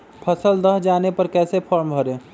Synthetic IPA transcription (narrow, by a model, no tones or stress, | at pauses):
pʰəsəld̪əɦd͡ʒaːnepɐɾkɛːsepʰɔɾmbʱəɾẽː